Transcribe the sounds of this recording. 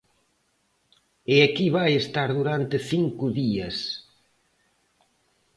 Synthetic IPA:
eakiβajest̪aɾðuɾant̪eθiŋkʊðiɐs

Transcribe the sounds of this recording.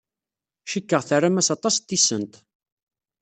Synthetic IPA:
ʃikːəʁθərːamæsɑt̪ˤɑst̪ːisə̰nt̪

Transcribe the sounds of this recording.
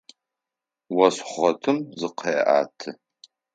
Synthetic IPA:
wɐsχʷɔtʰɨmzɨqʰeːʔa̰ːtʰɨ

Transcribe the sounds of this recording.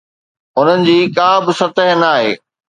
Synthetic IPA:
ʊn̤ənɪ̆d͡ʑiːkãːbɪsɐt̪əɦnaːɦḛː

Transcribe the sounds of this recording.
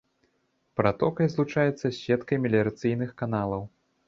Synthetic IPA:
pɾat̪ɔkɐjzlˠut͡ʂajɛt̪sːɐsʲvʲɛt̪kɐjmʲɛlʲɛɾɐt̪sɨjnɨxkan̪alˠɐw

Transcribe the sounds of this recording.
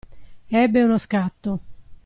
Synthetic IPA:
ɛbːeunoskat̪ːo

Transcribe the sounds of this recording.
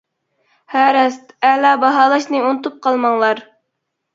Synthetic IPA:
hæɾɛst̪ɛlɑbɑɦɑːlˠɑʃnɨunɨt̪up̚qʰɑlˠmɑŋlˠɑɾ

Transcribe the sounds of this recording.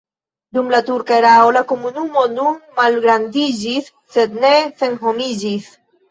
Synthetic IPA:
d̪umlat̪uɾkaeɾaolakomunumonumalɣɾand̪iʒiθːet̪neθeŋxomiʒiθ

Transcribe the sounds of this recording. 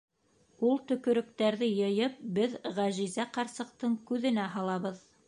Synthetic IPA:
ulˠt̪ɵ̆kɵ̆ɾɵ̆k̚t̪æɾðɘjɤ̆jɤp̚bɘðʁæʑizæqɑɾsɤ̆q̚t̪ɤɴkʉðɘ̆næɦɑlˠɑβɤð

